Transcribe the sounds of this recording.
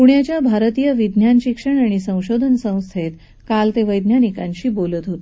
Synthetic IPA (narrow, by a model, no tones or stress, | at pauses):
puɳjat͡ɕjabʱaɾt̪ijəʋid̪ʱnjanɕikʂəɳaɽ̃isə̃w̃ɕod̪ʱənsə̃w̃st̪ʰet̪ | kalt̪eʋəjd̪njanikãɲɕiːbolət̪ɦot̪e